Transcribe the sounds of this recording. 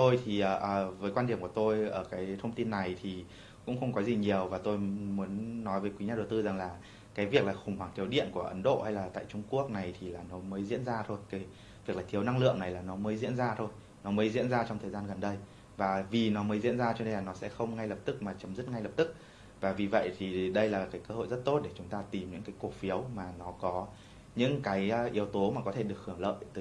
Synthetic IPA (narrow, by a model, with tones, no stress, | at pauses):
t̪o˧jt̪ʰi˨˩ʔəː˨˩ʔəː˨˩vəː˨˦jkwaː˧nɗi˧˩əmku˧˩ə˩t̪o˧jʔəː˧˩kaː˨˦jt̪ʰə˧ŋ͡mt̪i˧nːa˨˩jt̪ʰi˨˩ | kʊ̰˧˥ŋ͡mxə˧wŋ͡mkɔ˨˦zi˨˩ɲi˨˩əwvaː˨˩t̪o˧jmu˨˦ənːɔ˨˦jvəː˨˦jkwi˨˦ɲaː˧ɗə˨˩wt̪ɨ˧za˨˩ŋlaː˨˩ | kaː˨˦jvi˨˩ək̚laː˨˩xʊ˨˩ŋ͡mhwaː˨˧˩ŋt̪ʰəwɗḭ˧˨ənku˧˩əʔə˨˦nɗo̰˧˨ha˧jlaː˨˩t̪a̰ː˧˨jt͡ɕʊ˧ŋ͡mku˦˥ək̚na˨˩jt̪ʰi˨˩laː˨˩nɔ˨˦məː˨˦jzḭ˧˥ənzaː˧t̪ʰo˧jkaː˨˦j | vi˨˩əklaː˨˩i˨˦əwna˧ŋlɨ̰˧˨əŋna˨˩jlaː˨˩nɔ˨˦məː˨˦jzḭ˧˥ənzaː˧t̪ʰo˧j | nɔ˨˦məː˨˦jzḭ˧˥ənzaː˧t͡ɕɔ˧ŋ͡mt̪ʰəː˨˩jzaː˧nɣə˨˩nɗə˧j | vaː˨˩vi˨˩nɔ˨˦məː˨˦jzḭ˧˥ənzaː˧t͡ɕɔ˧ɗə˧jlaː˨˩nɔ˨˦sɛ̰˧˥xə˧wŋ͡mŋa˧jlə˨˩p̚t̪ɨ˦˥k̚maː˨˩t͡ɕə˨˦mzɨ˦˥t̚ŋa˧jlə˨˩p̚t̪ɨ˦˥k̚ | vaː˨˩vi˨˩və̰˧˨jt̪ʰi˨˩ɗə˧jlaː˨˩kaː˨˦jkəː˧ho̰˧˨jzə˦˥t̚t̪o˦˥t̚ɗe˧˩t͡ɕʊ˨˦ŋ͡mt̪aː˧t̪i˨˩mɲɨ̰˧˥ŋkaː˨˦jku˨˧˩fi˨˦əwmaː˨˩nɔ˨˦kɔ˨˦ | ɲɨ̰˧˥ŋkaː˨˦jʔi˨˦əwt̪o˨˦maː˨˩kɔ˨˦t̪ʰe˧˩ɗɨ˨˩ək̚hɨ˧˩əŋlə̰ː˧˨jt̪əː˨˦